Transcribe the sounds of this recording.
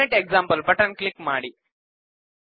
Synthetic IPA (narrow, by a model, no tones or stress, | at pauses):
eʈeɡ̚zampəlpəʈənklikmaɽi